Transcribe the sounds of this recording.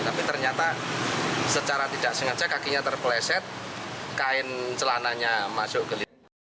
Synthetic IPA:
t̪apit̪ərɲat̪a | sət͡ʃaɾat̪id̥aʔsəŋad͡ʒakakiɲat̪ərpəlɛsɛt̪̚kaɪnt͡ʃəlanaɲamasʊʔɡ̥əli

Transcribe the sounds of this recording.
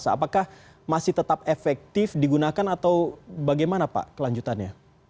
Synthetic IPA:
saːpakah | masɪht̪ət̪apefɛk̚t̪ɪfdiɡunakanat̪awbaɡajmanapa̰ʔkəlaɲd͡ʒut̪anɲa

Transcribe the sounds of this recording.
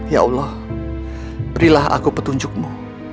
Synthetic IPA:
jaɔ̰lːɔh | bəɾilaha̰kupət̪uɲd͡ʒʊk̚mu

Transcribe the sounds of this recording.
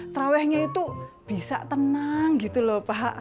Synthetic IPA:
t̪ɾawɛhɲait̪u | b̥i̤sa̰ʔt̪ənaŋɡit̪ulɔhpaɦaʔ

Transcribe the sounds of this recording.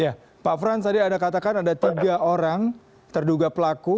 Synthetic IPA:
ja | pafɾansadiadakat̪akanadat̪iɡaʔoɾaŋ | t̪ərduɡapəlaku

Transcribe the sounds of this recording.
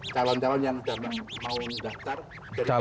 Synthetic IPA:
t͡ʃalɔnt͡ʃalɔnjaŋdamanmaudat̪ar | d͡ʒad͡ʒa

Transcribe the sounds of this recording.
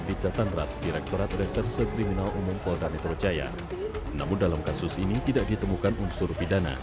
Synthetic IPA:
bit͡ʃat̪anrasdiɾɛk̚t̪oɾat̪̚rɛsɛrsək̪ɾiminalʔumʊmkɔldanɛt̪ɾot͡ʃaja̰ | na̰mʊndalamkasʊsinit̪idak̚dit̪əmukanunsʊrpidana̰

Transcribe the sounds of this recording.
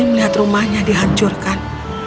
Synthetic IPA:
iməliɦat̪rumahɲadiɦaɲt͡ʃʊrkan

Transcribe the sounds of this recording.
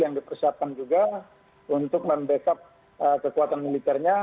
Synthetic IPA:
jaŋdipərsiap̚kand͡ʒuɡa | unt̪ʊk̚məmbesap̚ | əkəkuat̪anmilit̪ɛrɲa

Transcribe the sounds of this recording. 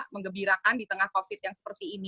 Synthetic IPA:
məŋɡəbiɾakandit̪əŋahkofɪt̪̚jaŋsə̥pərt̪iːni

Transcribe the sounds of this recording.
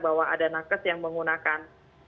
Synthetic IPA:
bawaa̰danakəsjaŋməŋunakan

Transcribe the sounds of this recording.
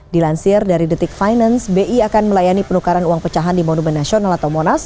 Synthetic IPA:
dilansɪrdaɾidit̪ɪk̚fajnansbeʔiakanməlajanipənukaɾanuwaŋpət͡ʃaɦandimonumɛnːasionalat̪awmonas

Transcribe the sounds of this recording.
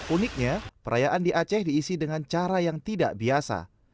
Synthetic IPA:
unɪk̚ɲapəɾajaʔandiʔat͡ʃɛhdiːsidəŋant͡ʃaɾajaŋt̪ida̰ʔbiasa̰

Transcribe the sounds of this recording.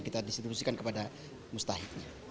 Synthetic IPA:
kit̪adist̪ɾibusikankəpada | must̪aɦik̚ɲa

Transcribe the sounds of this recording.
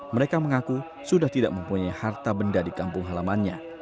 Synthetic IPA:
məɾekaməŋaku | sudaht̪ida̰ʔ̚məmpuɲajhart̪abəndadikampʊŋɦalamanɲa

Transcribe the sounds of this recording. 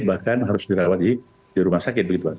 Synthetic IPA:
bahkanɦaɾʊsdiɾawat̪̚di | diɾumahsakɪt̪̚bəɡit̪ua

